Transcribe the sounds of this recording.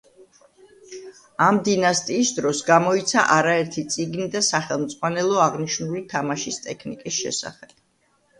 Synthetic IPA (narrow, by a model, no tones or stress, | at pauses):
amd̪inast̪ʼiːsd̪ɾɔsɡamɔit̪sʰa̰ʔaɾaɛɾt̪ʰit̪sʼiɡnid̪asaχɛlˠmd̪zʼʁwanɛlˠɔaʁniʃnulit̪ʰamaʃist̪ʼɛkʰnikʼisʃɛ̰sa̰χɛb̥̚